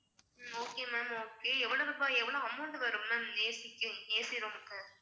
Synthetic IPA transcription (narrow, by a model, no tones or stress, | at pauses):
oːkeːmɛːmoːkeːɛʋːɐɭoʋɪbaːɛʋːɐɭoɐmːuɳɖɯʋɐɾɯmmːɛːmneːsɪkːɯneːsɪɾomkːɯ